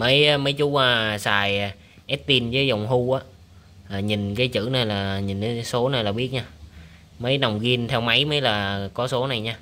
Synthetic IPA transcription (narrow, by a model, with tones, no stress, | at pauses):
məː˨˦jməː˨˦jt͡ɕu˨˦əː˨˧˩saː˨˩j | ʔɛ˦˥t̚t̪i˧nvəː˨˦jza˨˩wŋ͡mɦu˧ʔaː˨˦ | laː˨˩ɲi˨˩nkaː˨˦jt͡ɕɨ̰˧˥na˨˩jlaː˨˩ɲi˨˩na˨˦so˨˦na˨˩jlaː˨˩ɓi˦˥ət̚ɲaː˧ | mə˨˦jna˨˩wŋ͡mɣi˧ənt̪ʰɛ˧wma˨˦jməː˨˦jlaː˨˩kɔ˨˦so˨˦na˨˩jɲaː˧